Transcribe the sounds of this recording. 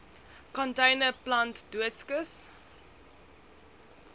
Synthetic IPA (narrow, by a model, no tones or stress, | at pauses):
kɔ̃ntẽɪnəplãntduətskəs